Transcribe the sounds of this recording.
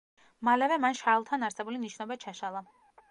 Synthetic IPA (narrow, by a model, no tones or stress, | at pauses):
malɛvɛmanʃalˠt̪ʰanaɾsɛbuliniʃnɔbat͡ʃʰaʃalˠa